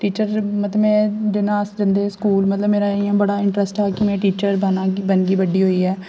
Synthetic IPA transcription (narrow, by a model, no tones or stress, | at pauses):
ʈiːt͡ʃəɾmət̪əmɛ̃ːɖɪnaːsd͡ʒɪnd̪eːskuːlmət̪ləbmeːɾaːiãːbəɽaːɪɳʈɾəsʈɦɛːkɪmɛ̃ːʈiːt͡ʃəɾənabənɡiːʋəɖiːɦoːiːɦɛː